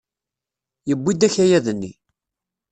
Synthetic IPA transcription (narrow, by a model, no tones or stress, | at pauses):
jəbːid̪æçæjæðnːḭ